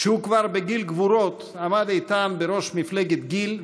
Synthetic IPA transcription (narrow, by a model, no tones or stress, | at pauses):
ʃehukvaɾbeɡilɡvuɾo̞t̪ | amad̪it̪anbeɾo̞ʃmifleɡet̪ɡil